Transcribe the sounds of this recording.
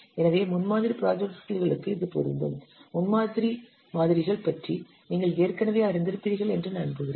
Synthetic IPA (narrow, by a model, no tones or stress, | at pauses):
ɛnɐʋeːmʊnmaːðɪɾipɪɾaːd͡ʒɛk̚ʈɐlɣɐɭɯkːɯɪðɯpɔ̰ɾɯ̰nd̪ɯ̰mmʊnmaːðɪɾi | maːðɪɾɪɣɐɭpɐʈri | niːŋɡɐɭeːrkɐnɐʋeːɐɾɪnd̪ɪɾɯpːɪðɪɣɐɭɛndrɯnɐnpɯɣɪɾeːn